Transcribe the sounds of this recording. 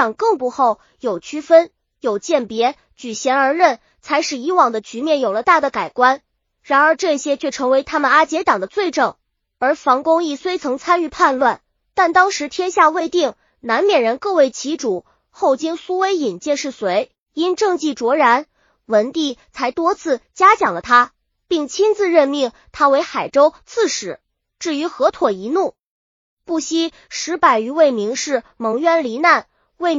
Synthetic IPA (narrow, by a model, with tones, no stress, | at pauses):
ɑ˨˩ŋkɤ˥˧ŋpu˧˥xo˥˩ʊ | jo˨˩ʊt͡ɕʰy˥fə˥n | jo˨˩ʊt͡ɕjɛ˥˩npjɛ˧˥ | t͡ɕy˨˩ɕjɛ˧˥nə˞˧˥ɻə˥˩n | t͡sʰa˧˥ɪʂɻ̩˥˩i˧˥wɑ˨˩ŋd̪ə˦t͡ɕy˧˥mjɛ˥˩njo˨˩ʊlə˦t̪a˥˩d̪ə˩ka˨˩ɪkwa˥n | ɻa˧˥nə˞˧˥ʈ͡ʂɤ˥˩ɕjɛ˥t͡ɕʰɥɛ˥˩ʈ͡ʂʰɤ˧˥ŋwe˧˥ɪt̪ʰa˥mə˨na˥t͡ɕjɛ˧˥t̪ɑ˨˩ŋd̪ə˦t͡swe˥˧ɪʈ͡ʂɤ˥˩ŋ | ə˞˧˥fɑ˧˥ŋkʊ˥ŋi˥˩swe˥ɪt͡sʰɤ˧˥ŋt͡sʰa˥ny˥˧pʰa˥˧nlwa˥˩n | t̪a˥˩nt̪ɑ˥ŋʂɻ̩˧˥t̪ʰjɛ˥nɕja˥˧we˥˧ɪt̪i˥˩ŋ | na˧˥nmjɛ˨˩ɻə˧˥nkɤ˥˧we˥˩ɪt͡ɕʰi˧˥ʈ͡ʂu˨˩˦ | xo˥˩ʊt͡ɕi˥ŋsu˥we˥ɪi˨˩nt͡ɕjɛ˥˧nʂɻ̩˥˩swe˧˥ɪ | i˥nʈ͡ʂɤ˥˧ŋt͡ɕi˥˩ʈ͡ʂwɔ˧˥ɻa˧˥n | wə˧˥nt̪i˥˩t͡sʰa˧˥ɪt̪wɔ˥t͡sʰɹ̩˥˩t͡ɕja˥t͡ɕjɑ˨˩ŋlə˦t̪ʰa˥ | pi˥˩ŋt͡ɕʰi˥nt͡sɹ̩˥˧ɻə˥˧nmi˥˩ŋ | t̪ʰa˥we˧˥ɪxa˨˩ɪʈ͡ʂo˥ʊt͡sʰɹ̩˥˩ʂɻ̩˨˩˦ | ʈ͡ʂɻ̩˥˩y˧˥xɤ˧˥t̪ʰwɔ˨˩i˧˥nu˥˩ | pu˥˩ɕi˥ | ʂɻ̩˧˥pa˨˩ɪy˧˥we˥˩ɪmi˧˥ŋʂɻ̩˥˩mɤ˧˥ŋɥɛ˥nli˧˥na˥˩n | we˥˩ɪ